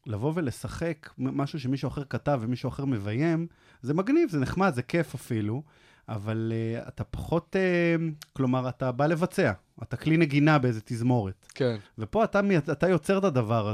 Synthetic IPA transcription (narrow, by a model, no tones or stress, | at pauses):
lavo̞ve̞le̞saχekmaʃuʃ̬emiʃuaχe̞ʁkatavːemiʃuaχe̞ʁme̞vajem | zemaɡnivzeneχmadze̞ke̞fafilu | avalea̰tapḁχo̞teklo̞maʁatabale̞vat͡se̞a | atakline̞ɡinabeezet̪izmo̞ʁetkenve̞po̞atamejaat̪ajo̞t͡seʁt̪ad̪avaʁa